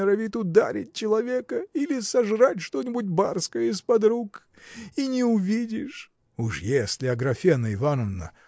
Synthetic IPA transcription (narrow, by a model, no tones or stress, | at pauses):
əɾɐvʲit̪ʊd̪a̰ɾʲɪ̰t̚ʲt͡ɕɪlˠɐvʲekəilʲɪsɐʐratʲʂt̪onʲɪbut̬̚ʲbarskəjəispɐd̪ɾuk | inʲɪʊvʲidʲɪʂ | uʂjesʲlʲɪɐɡɾɐfʲenəɪvanəvnə̰